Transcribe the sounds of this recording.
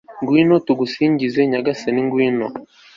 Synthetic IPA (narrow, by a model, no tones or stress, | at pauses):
ŋɡwiːnotuɡusiːɲɟizeɲaɡaseniŋɡwiːno